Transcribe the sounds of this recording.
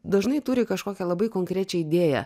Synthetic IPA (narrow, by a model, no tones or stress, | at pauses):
d̪ɐʒnɐɪt̪ʊɾʲɪkɐʃkoːkʲɛlˠɐbɐɪkoːŋʲkɾʲæːt͡ʃʲɛɪd̪ʲeːjɛ̰